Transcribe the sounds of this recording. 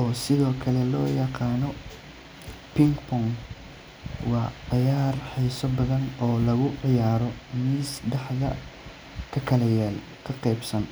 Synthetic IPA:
ʔɔːsɪðɔːkʰɐlɛlɔːjɑqɑːnɔ | pɪŋɡpʰɔŋɡ | wɑːʕɪjaːrħɛjsɔbɐðɐnɔːlɐɣʊʕɪjaːɾɔmiːsɖɑħðɐ | kʰɐkʰɐlɛjɛl | kʰɐqɛjbsɐn

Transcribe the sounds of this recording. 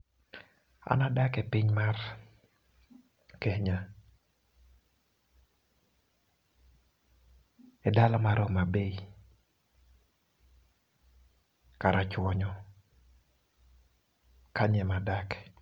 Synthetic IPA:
a̰nadakɛpiɲmar | kɛhɲa | ɛdalɔmaɾɔmabei | kaɾat͡ʃwɔɲɔ | kʰaɲɛmadak

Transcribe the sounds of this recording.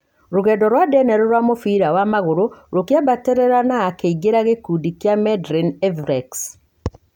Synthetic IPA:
ɾoɣɛːndɔɾwadɛnɛɾoɾwamofiːɾawamaɣoɾoɾokjabateɾɛɾanaːkeiɡeɾaɣekuːdikjamɛdɾinɛvɾɛks

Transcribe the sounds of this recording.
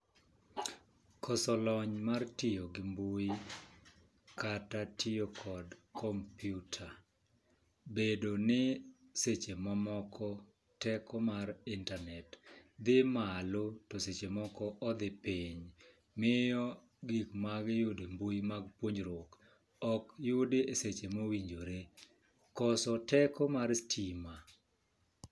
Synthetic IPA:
kʰɔsɔlɔɲmartɪjoɡɪmbui | katatʰɪjokʰɔdkʰɔmpjutʰa | bedonɪ | set͡ʃemamɔkʰɔ | tɛkɔmarɪntanɛtd̪ɪmalotɔset͡ʃemɔkɔʔɔd̪ɪpiɲ | mɪjɔ | ɡikmaɡjʊdembojmaɡpwoɲd͡ʒɾok | ɔkjʊdeeset͡ʃemowiɲd͡ʒoɾe | kɔsɔtɛkɔmaɾstʰima

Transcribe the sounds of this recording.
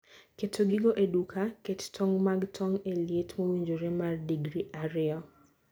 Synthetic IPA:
ketʰoɡɪɡoʔedukʰakettʰɔŋmaɡtʰɔŋeljetmowiɲd͡ʒoɾemardiɡɾiʔaɾɪɔ

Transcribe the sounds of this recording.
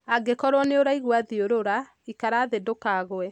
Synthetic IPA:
aɡekɔɾwɔneoɾaiɣwaðioɾoɾa | ikaɾaːðedokaɣwɛ

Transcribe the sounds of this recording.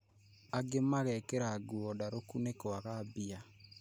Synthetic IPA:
aɡemaɣɛkeɾaɡuɔdaɾokunekwaɣabia

